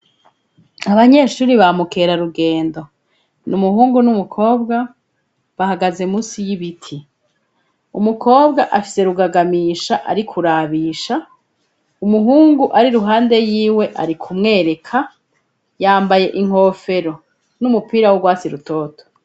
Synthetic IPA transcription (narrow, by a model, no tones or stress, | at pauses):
aβaɲe̞ʃuːɾiβamuke̞ɾaɾuɡe̞ːndo̞ | numuhuːŋɡunumukʰo̞ːbɡa | βahaɡaze̞muːsijiβitʰi | umukʰo̞ːbɡaʔafi̥se̞ɾuɡaɡamiːʃaʔa̰ɾikʰuɾaβiːʃa | umuɦuːŋɡuʔaɾiɾuɦaːnde̞jiːwe̞ʔaɾikʰumŋe̞ːɾe̞kʰa | jaːmbaje̞ʔiŋ̥ho̞ːfe̞ɾo̞ | numupiːɾawoɡwaːt͡siɾuto̞ːtʰo̥